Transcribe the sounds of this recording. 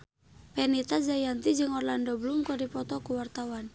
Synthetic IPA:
pɛnit̪ad͡ʒajant̪id͡ʒɨŋɔrlandɔbəlumkɔdipɔt̪ɔkuwart̪awan

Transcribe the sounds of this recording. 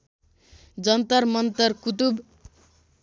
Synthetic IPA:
d͡zʌnt̪ʌrmʌnt̪ʌrkut̪̬ub

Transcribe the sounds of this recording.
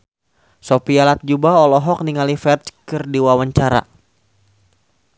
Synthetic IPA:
sopialat̪̚d͡ʒubaɔlɔɦɔk̚niŋalifɛrt͡ʃkɨrdiwawaɲt͡ʃaɾa̰

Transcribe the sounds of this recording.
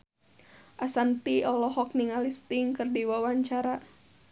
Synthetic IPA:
ʔasant̪iɔlɔɦɔk̚niŋalist̪iŋkərdiwawaɲt͡ʃaɾa

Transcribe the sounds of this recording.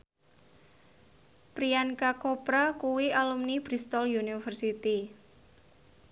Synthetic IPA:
pɾiankakopɾakuwialumnib̥ɾist̪ɔljunifərsit̪i

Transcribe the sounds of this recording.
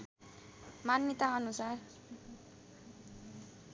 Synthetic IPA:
manːit̪aʌnusar

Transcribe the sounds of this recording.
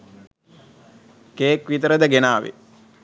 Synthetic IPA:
keːkʋit̪əɾəd̪əɡenaːʋḛ

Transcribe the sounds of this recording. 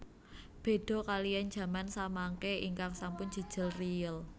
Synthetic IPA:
b̥e̤ɖ̥ɔ̤kalijan̥ʒ̥ä̤mansamaŋkeʔḭŋkaŋsampʊnd͡ʒ̥ə̤d̥ʒ̥ə̤lrijəl

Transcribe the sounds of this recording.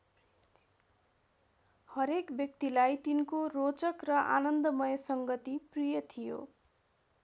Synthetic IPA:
hʌɾekbjʌk̚t̪ilajt̪inkorot͡sʌkrʌʔa̰nʌnd̪ʌmʌjʌsʌŋɡʌt̪iprijʌt̪ʰijo̰

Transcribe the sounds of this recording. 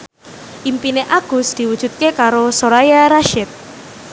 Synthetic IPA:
ʔimpineʔaɡ̥ʊ̤sd̪̥iwud̥ʒ̥ṳt̪̚kekaɾosoɾajaɾaʃɪt̪̚

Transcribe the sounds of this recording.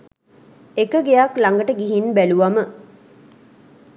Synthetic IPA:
ekəɡejaklaŋɡəʈəɡiɦinbæluʋamə

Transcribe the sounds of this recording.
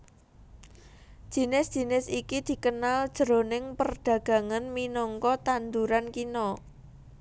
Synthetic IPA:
d̥ʒ̥i̤nɪsdʒ̥i̤nɪsikid̪̥i̤kənald̥ʒ̥ə̤ɾonɪŋpərɖ̪̥ä̤ɡ̥ä̤ŋanminɔŋkɔt̪and̪uɾankinɔ

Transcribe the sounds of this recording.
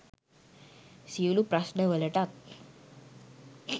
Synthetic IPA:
siwlupɾasnəʋələʈat̪̚

